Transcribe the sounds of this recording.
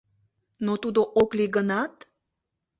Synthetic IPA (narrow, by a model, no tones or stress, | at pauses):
not̪ud̪oʔokliɡənɑt̪